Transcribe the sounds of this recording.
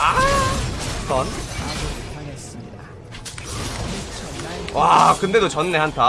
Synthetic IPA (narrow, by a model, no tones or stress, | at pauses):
a | sʌnad͡ʑoitʰanes͈ɯmɲida | wakɯnde̞dot͡ɕʌnːe̞ɦantʰa